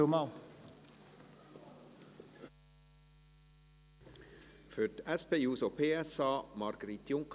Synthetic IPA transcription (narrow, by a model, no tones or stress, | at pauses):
ʊmɑʊ | føʈ̪ɛspeːʉːsoːpʰeːɛsɑːmɑɾɡəɾit̪jʊŋkʰ